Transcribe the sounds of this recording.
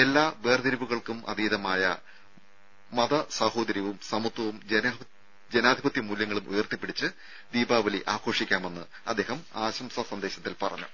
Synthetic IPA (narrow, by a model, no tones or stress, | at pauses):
e̞lːaːʋeːrd̪iɾibuɣɐɭkumʔɐ̰ðiːðɐmaːjɐ̰ | mɐðɐsɐho̞ːd̪ɐɾjɐʋumsɐmut̪wɐʋum | d͡ʑenaːd̪ʱibɐt̪jɐmuːljɐŋːɐɭumʔṵjɐrt̪ipːiɽit͡ɕːɨ | d̪iːbaːʋɐliʔaːko̞ːʂikʲːaːme̞nːɨ | ɐd̪ːe̞ːhɐmaːɕɐmsɐsɐnd̪eːɕɐt̪ːilpɐrɐ̰ɲːṵ